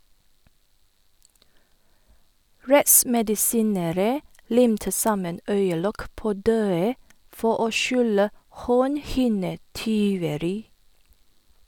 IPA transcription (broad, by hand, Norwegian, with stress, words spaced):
ˈɹɛʔsmɛdɪˌsiːnəɾə ˈlɪmtə ˈsɑmən ˈœʏəˌlɔk ˈpoː ˈdøːə ˈfɔ ˈʔoː ˈʃʉlə ˈhoːnˌhɪnəˌtyːʋəɾɪ